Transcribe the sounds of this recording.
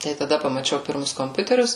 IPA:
tɐɪ tɐˈdɐ pɐmɐˈt͡ʃʲɛʊ ˈpʲɪrmʊs koːmʲˈpʲʊtʲɛrʲʊs

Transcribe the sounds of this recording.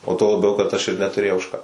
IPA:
oː tuɔ lˠɐˈbʲɛʊ kɐt ɐʃ ɪr nʲɛtʊˈrʲeːjɛʊ ʊʃ ˈkɑː

